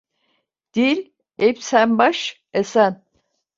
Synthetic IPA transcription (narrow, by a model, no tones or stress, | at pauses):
d̪̥iɾ | epsæmbaʃ | esæn